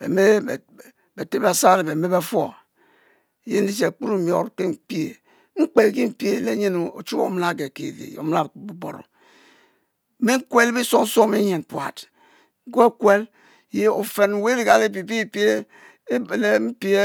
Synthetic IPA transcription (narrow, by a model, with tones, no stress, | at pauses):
bḛ˨me˦˨ | be˨te˦ba˦˨sa˦ɾe˨be˨me˦be˦fo̰˦˨ | je˦n̩˦i˦t͡ʃe˨k͡pu˦ɾu˦˨mjo̰˨ɾke˦m̩˦pi˦e˨ | ŋ͡m̩˦k͡pe˨ɡi˦m̩˦pi˦e˦˨le˦ɲe˦no˨o̰˨t͡ʃu˦o̰˨˦m˦la˦˨ɡe˨kḛ˨dḭ˨o̰˨m˦la˦˨bu˦bo̰˨ɾo̰˨˦ | me˦ŋ̩˦kwe˦le˦bi˦so˦n̩˦so˦me˦ɲe˨n˨pwa̰˨t | ŋ̩˦ɡo˦e˦kwe˦l | je˦o˨fe˨n˨we˦ɾi˦ɡa˨le˦pi˨pi˦˨pe˦˨ | le˦m̩˦pi˦e˦